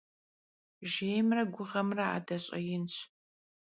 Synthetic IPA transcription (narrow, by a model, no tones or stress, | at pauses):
ʒeːjmrɐɡʷʊʁɐmrɐa̰ːdɐɕʼɐ̰jɪnɕ